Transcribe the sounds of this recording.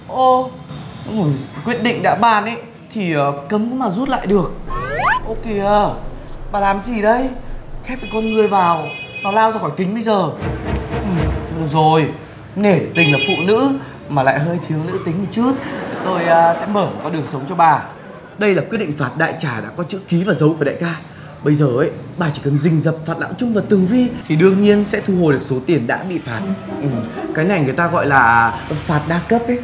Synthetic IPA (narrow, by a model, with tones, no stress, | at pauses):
ʔo˧˩˨ | kwi˦˥ət̚ɗḭ̈˧˨ŋ̟ɗa̰ː˧˥ɓaː˧˩nʔə˨˦j | t̪ʰi˨˩ʔəː˨˩kə˨˦mkṵ˧˦maː˨˩zu˦˥t̚la̰ː˧˨jɗɨ˨˩ək̚ʔo˧ke˧˩ʔəː˧˩ɓaː˨˩laː˨˩mt͡ɕi˨˩ɗə˧jxɛ˦˥p̚ka˨˩kɔ˧nŋɨ˨˩əjvaː˨˩w | nɔ˨˦laː˧wzaː˧xɔ˧˩jt̪ï˨˦ŋ̟ɓə˧jzəː˨˩ | ʔɨ˨˩mə˨˩zo˨˩j | ne˧˩t̪ï˨˩ŋ̟laː˨˩fṵ˧˨nɨ̰˧˥ | maː˨˩la̰ː˧˨jɦəː˧jt̪ʰi˨˦əwnɨ̰˧˥t̪ï˨˦mɨː˨˩t͡ɕɨ˦˥ək̚t̪o˧jːsɛ̰˧˥məː˧˩˨kɔ˨˦ɗɨ˨˩əŋsə˨˦wŋ͡mt͡ɕɔ˧ɓaː˨˩ | ɗə˧jlaː˨˩kwi˦˥t̚ɗḭ˧˨ŋ̟faː˨˩t̚ɗa̰ː˧˨jt͡ɕaː˧˩ɗa̰ː˧˥kɔ˨˦t͡ɕɨ̰˧˥ki˨˦vaː˨˩zə˨˦wku˧˩a̰ː˧˨jkaː˧ | ɓə˧jzəː˨˩ʔə˨˦jɓaː˨˩t͡ɕi˧˩kə˨˩nzï˨˩ŋ̟zə˨˩p̚faː˨˩t̚la̰ː˧˥wt͡ɕʊ˧ŋ͡mvaː˨˩t̪ɨ˨˩əŋvi˧t̪ʰi˨˩ɗɨ˧əŋɲi˧ənsɛ̰˧˥t̪ʰu˧ho˨˩ɗɨ˨˩ək̚so˨˦t̪i˨˩ənɗa̰ː˧˥ɓḭ˧˨faː˨˩t̚ʔɨ˨˩kaː˨˦jna˨˩jŋɨ˨˩əjt̪aː˧ɣɔ̰˧˨jlaː˨˩faː˨˩t̚ɗaː˧kə˦˥p̚ʔə˨˦j